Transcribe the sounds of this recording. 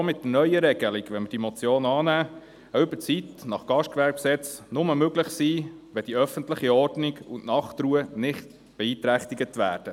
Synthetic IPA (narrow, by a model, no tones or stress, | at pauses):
omɪtːənœʏəɾɛɡ̥əliɡʋɛnməd̥imɔt͡sjoːnɑːnæː | əʏb̥ət͡sitnɑχɡ̥ɑʃtkʋæɾk̚psɛt͡snʊməmøɡlɪχsiːʋɛd̥iœfənt̪lɪχiɔɾdniɡʊnʔnɑχt̪ɾuənɪχt̪ | b̥ɛiːt̪ɾæχt̪iɡət̪ʋæːɾd̥ə